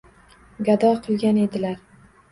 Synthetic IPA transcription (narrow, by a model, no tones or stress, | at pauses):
ɡad̪ɒqʰɨlˠɡʲane̞d̪ɪlaɾ